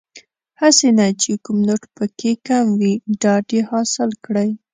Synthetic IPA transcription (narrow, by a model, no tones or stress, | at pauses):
hasenat͡ʃekʊmnəʈpəkʰekamwiɖɑɖehɑsɪlkɽəj